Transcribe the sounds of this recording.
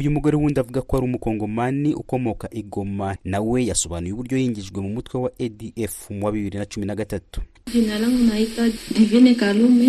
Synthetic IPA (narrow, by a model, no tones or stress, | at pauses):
ujumuɡoɾewuːndiavuɡakohaɾumuko̞ːŋɡo̞maniʔuko̞mo̞kaʔiɡo̞manawe̞jaso̞βanujuβuɾɟojiːɲɟiʒɡwe̞mumutwewaediʔefmwaβiβiɾinat͡ʃuminaɡatatu̥ | dinalaŋunahitadivinekalumi